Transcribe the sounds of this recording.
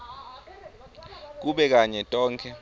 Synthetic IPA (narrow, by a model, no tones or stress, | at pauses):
k̬uɓɛk̬aɲɛtʼɔːŋkʰɛ